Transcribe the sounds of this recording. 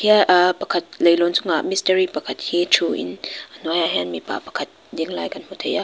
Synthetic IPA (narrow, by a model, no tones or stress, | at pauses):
hiəʔpɐkʰɐt̪̚lejlɔnt͡sʊŋaʔmistəɾipɐkʰɐt̪̚hitʰuʔḭnnujaɦɛnmipa̰pɐ̥kʰɐt̪̚diəŋla̰ːjkanmut̪ʰeja